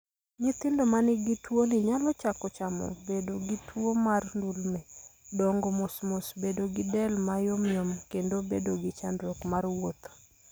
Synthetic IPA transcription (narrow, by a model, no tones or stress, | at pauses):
ɲɪt̪ɪndomanɪɡitwonɪɲalɔt͡ʃakɔt͡ʃamɔ̰bedoɡitʰwomarndulmɛdɔŋɡɔmosmosbedoɡɪdɛlmajomjomkendobedoɡɪt͡ʃandɾokmarwot̪